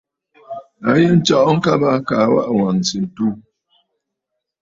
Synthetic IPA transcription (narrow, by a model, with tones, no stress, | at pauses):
a˦je˦n̩˦t͡ʃɔ˦ʔɔ˦ŋ̩˦ka˦ba˦ka˨˦wa̰˦ʔwa˨n˨si˨n̩˨tu˦